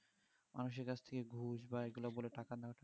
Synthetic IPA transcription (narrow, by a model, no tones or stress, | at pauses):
manuʃeɾkat͡ɕʰt̪ʰekeɡʱuʃbaeɡulaboleʈakad̪ɛaʈʰa